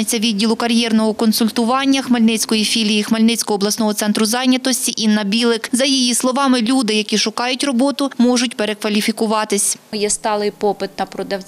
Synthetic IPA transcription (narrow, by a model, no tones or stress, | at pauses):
ɐt͡sʲːɐʋʲid̪ʲːilˠʊkɐɾʲjɛrnɔɦɔkɔnsʊlʲt̪ʊʋɑnʲːɐxmɐlʲnɪt͡sʲkɔjifʲilʲijixmɐlʲnɪt͡sʲkɔɦɔːblˠɐsnɔɦɔt̪sɛnt̪ɾʊzɑjnʲɐt̪ɔsʲtʲiʔinɐbʲilˠɪkzɐjijislˠɔʋɑmɪlʲud̪ɪjɐkʲiʃʊkɑjʊtʲrɔbɔt̪ʊmɔʒʊtʲpeɾekʋɐlʲifʲikʊʋɑt̪ɪsʲjɛst̪ɑlˠɪjpɔpɪt̪nɐpɾɔd̪ɐwt͡sʲ